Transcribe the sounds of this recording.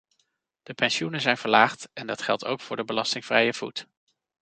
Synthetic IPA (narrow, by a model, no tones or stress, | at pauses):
d̥əpɛnʃunəzɛjnvəɹlaːχtɛndɑtχɛlˠtʰo̰wkfʊːɹdəbəlɑstɪŋv̥rɛjəv̥ut